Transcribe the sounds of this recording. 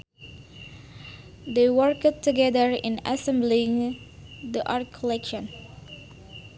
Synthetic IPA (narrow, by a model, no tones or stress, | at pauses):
d̪eɪwəɹkd̚tɨɡɛðəɹɪ̰̃na̰sɛ̃mblĩŋ | d̪iʔaɹt̚kʰəlɛkʃə̃n